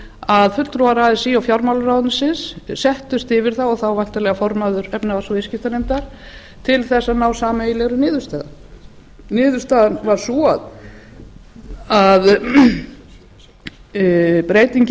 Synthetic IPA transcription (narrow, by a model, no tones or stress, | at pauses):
aðfʏt̪t̪ɾuvaɾaðɪsiawfjawɾmawlɾawðt̪nsɪnssɛht̪ʏst̪ɪvɪɾ̥θawɔɣθawvajn̥t̪alɛɣafɔɾmaðʏɾɛpnavasɔvɪscɪft̪anemt̪aɾ̥ | t̪ʰɪlθɛsːanawsaːmailɛɣɾʏnɪːðʏɾ̥st̪ɛːða̰ | nɪːðʏ̥st̪aːðanvaɾ̥sɔað | að | pɾeːjt̪iɲc